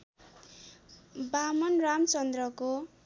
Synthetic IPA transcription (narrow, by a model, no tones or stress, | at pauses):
bamʌnramt͡sʌnd̪rʌko